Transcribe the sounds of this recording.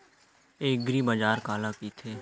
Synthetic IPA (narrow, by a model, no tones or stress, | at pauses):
eːɡɾiːbad͡ʒaːɾkaːlaːkiːt̪ʰeː